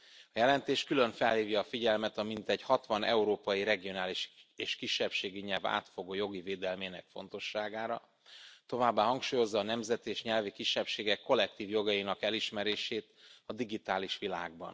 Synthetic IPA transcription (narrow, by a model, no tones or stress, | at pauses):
ɒjɛlɛnt̪eːʃkylø̞ɱfɛlhiːvjɒːfiɟɛlmɛt̪ɒmint̪ɛɟhɒt̪ʋɒnɛ̰uɾoːpɒjiɾɛɡio̞naːliʃeːʃkiʃːɛpʃeːɡiɲɛlva̰ːt̪fo̞ɡoːjo̞ɡiveːd̪ɛlmeːnɛkfo̞̰nt̪o̞ʃːaːɡaːɾɒ̰ | t̪o̞vaːbːaːɦɒŋkʃuːjo̞zːɒːnɛmzɛt̪eːʃɲɛlvikiʃːɛpʃeːɡɛkːo̞lːɛk̚t̪iːvjo̞ɡɒjinɒkɛliʃmɛɾeːʃeːt̪ɒd̪iɡit̪aːliʃʋila̰ːɡbɒ̰n